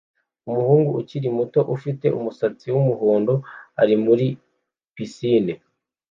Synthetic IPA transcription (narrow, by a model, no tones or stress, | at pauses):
umuhuːŋɡuʔuciɾimuto̞ʔufite̞̰ʔṵmusat͡siwumuhoːndo̞aɾimuɾi | pisiːne